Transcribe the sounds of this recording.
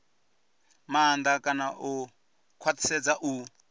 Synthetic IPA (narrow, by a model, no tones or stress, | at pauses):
maːnd̪akʼanaʔu | kʰwat̪ʰi̥sɛd͡zaʔu